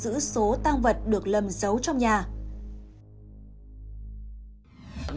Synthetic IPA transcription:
zɨ̰˧˥so˨˦t̪aː˧ŋvə˨˩t̚ɗɨ˨˩ək̚lə˨˩mzə˨˦wt͡ɕɔ˧wŋ͡mɲaː˨˩

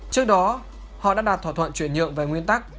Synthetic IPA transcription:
t͡ɕɨ˦˥ək̚ɗɔ˨˦ | hɔ̰˧˨ɗa̰ː˧˥ɗaː˨˩t̪̚ʰaː˧˩t̪ʰə̰˧˨nt͡ɕwi˧˩ənɲɨ̰˧˨əŋve˨˩ŋwi˧ənt̪a˦˥k̚

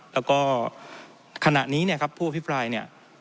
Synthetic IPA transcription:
lɛː˦˥wkɔː˥˩ | kʰa˧na̰˨˩ʔniː˦˥ni˥˩ɐkʰa˦˥pʰːuː˥˩a˧pʰi˦˥pɾaː˧jni˥˩ɐ

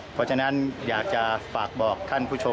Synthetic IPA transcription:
pʰɔː˦˥t͡ɕʰa˧na˦˥njaː˨˩k̚t͡ɕa˨˩faː˨˩k̚bɔː˨˩kʰːa˥˩npʰuː˥˩t͡ɕʰo˧

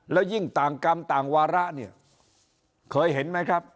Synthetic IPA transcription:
lɛː˦˥wji˥˩ŋt̪aː˨˩ŋka˧mt̪aː˨˩ŋwaː˧ɾa˦˥ʔni˥˩ɐ | kʰɤː˧jɦe˩˦nma˦˥jkʰɾa˦˥p̚

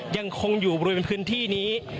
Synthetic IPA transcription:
ja˧ŋkʰo˧ŋjuː˨˩bɾu˧pe˧npʰɯː˦˥nt̪ʰiː˥˩niː˦˥

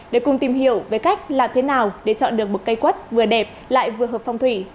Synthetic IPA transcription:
ɗe˧˩kʊ˨˩ŋ͡mt̪i˨˩mhḭ˧˨əwve˨˩jka˦˥jk̟̚laː˨˩mt̪ʰe˨˦naː˨˩wɗe˧˩t͡ɕɔ̰˧˨nɗɨ˨˩ək̚mo˨˩t̚kə˧jkwə˦˥t̚vɨ˨˩əɗɛ˨˩p̚la̰ː˧˨jvɨ˨˩əɦəː˨˩pfa˧wŋ͡mt̪ʰwi˧˩

